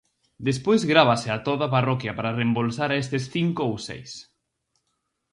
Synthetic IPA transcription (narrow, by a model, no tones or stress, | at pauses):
d̪espojzɣɾaβ̞asɪat̪oðaparɔkjɐpaɾarembolsaɾaest̪esθiŋkoowsḛjs